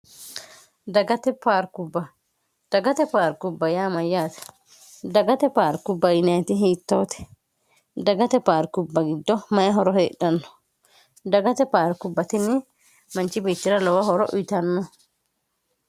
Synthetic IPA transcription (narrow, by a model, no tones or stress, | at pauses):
d̪ɐɡɐt̪ɛpaːɾkubːɐ | d̪̥ɐɡɐt̪ɛpaːɾkʊbːɐjaːmɐjːaːt̪ɛ̥ | d̪ɐɡɐt̪ɛpaːɾkʊbːɐjɪnɐjt̪ɪɦiːt̪ːoːt̪ɛ̥ | d̪ɐɡɐt̪ɛpaːɾkubːɐɡɪd̪ːɔmɐjɐɦɔɾɔheːɗːɐnːɔ̥ | d̪ɐɡɐt̪ɛpaːɾkʊbːɐt̪ɪnːɪ | mɐnt͡ʃɪbiːt̪ːɪɾɐlɔwɐɦɔɾɔʔʊjt̪ɐnːɔ